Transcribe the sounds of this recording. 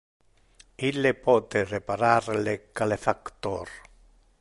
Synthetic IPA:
ilepod̪erepaɾaɾlekalefakt̪oɾ

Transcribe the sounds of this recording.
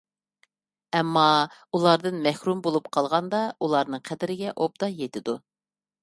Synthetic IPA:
ɛmːɑulˠɑɾd̪ɨnmɛhɾumbolˠupqʰɑlˠʁɑnd̪ɑulˠɑɾnɨŋqʰɛd̪ɪɾɪɡʲɛʔob̚d̪ɑjet̪ʰɪd̪u

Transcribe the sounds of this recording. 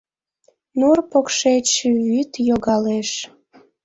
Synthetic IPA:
nurpokʃet͡ɕʃβyt̪joɣɑleʃ

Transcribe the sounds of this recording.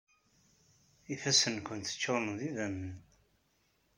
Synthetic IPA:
iθæsənkʷənt̪ə̥t͡ʃːonðiðænːən

